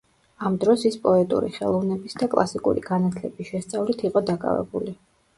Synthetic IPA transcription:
amd̪ɾɔsispʼɔɛt̪ʼṵɾḭχɛ̰lˠɔvnɛbisd̪akʼlˠasikʼṵɾḭɡanat̪ʰlɛbisʃɛst̪sʼavlit̪ʰiqʼɔd̪akʼa̰vɛ̰buli

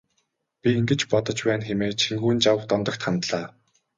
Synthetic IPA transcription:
pʲiiŋɡɘ̆t͡ɕpɔt̪ɞ̆t͡ɕpæːnxemeːt͡ɕʰiŋɡuːnt͡ɕawt̪ɔmt̪ɞ̆kt̪χant̪ɮaː

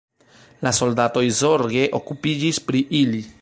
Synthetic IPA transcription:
laso̞ldato̞jzo̞ɾɡe̞ʔo̞kupid͡ʒispɾiʔili

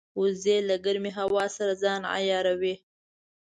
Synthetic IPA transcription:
ʊzelaɡaɾmiɦawɑsaɾazɑːna̰jɑːɾawi

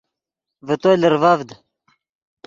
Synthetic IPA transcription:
vət̪oləɾvavd̪

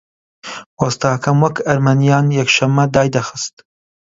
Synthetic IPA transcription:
wɐst̪aːkʰɐmwɐkɐɾmɐnijɑːnjɛkʃɐmːɐd̪ɑːjd̪ɐxɨst̪

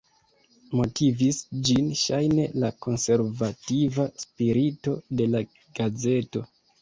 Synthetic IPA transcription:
mo̞tivisd͡ʒinʃajne̞lako̞nse̞ɾvativaspiɾito̞de̞la | ɡ̥aze̞to̞

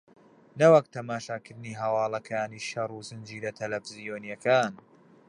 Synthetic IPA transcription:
nɐwɐk̚t̪ʰɐmaːʃaːkɨɾd̪ɨniːɦɐwɑːlˠɐkʰaːniːʃɐruːzɨnd͡ʒiːɾɐt̪ʰɐlɐfɨzijoːnjɐkaːn

